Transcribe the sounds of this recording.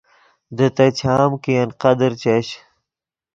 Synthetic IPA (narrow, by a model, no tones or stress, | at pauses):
d̪ət̪ɐt͡ɕʰaːmkijɐnqɐd̪əɾt͡ɕɐɕ